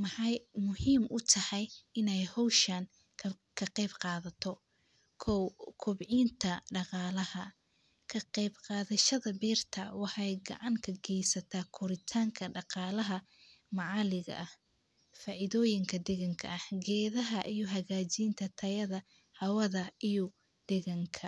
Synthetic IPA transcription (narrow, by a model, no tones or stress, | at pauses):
mɑħɑjmʊhiːmʔʊt̪ʰɐhɑjɪnɛjhɔwʃɐn | kʰɐqɛːbqɑːðɐt̪ʰɔ | kʰkʰʊbʕiːnt̪ʰɐɖɑqɑːlɐhɐ | kʰɐqɛjbqɑːðɐʃɐðɐbiːrt̪ʰɐwɑħɑjɡɑ̰ʕɑŋkʰɐɡɛjsɐt̪ʰaːkʰʊɾɪt̪ʰaːŋkʰɐɖɑqɑːlɐɦɐ | mɑʕɑːlɪɣɐ̰ʔɐh | fɑːʔɪðɔːjɪŋkʰɐd̪ɛɣɐŋkʰɐ̰ɐhɡɛːðɐɦɐʔijɔɦɐɣaːt͡ʃiːnt̪ʰɐt̪ʰɐjɐðɐ | hɐwɐðɐijɔ | d̪̥ɛɣɐŋkʰɐ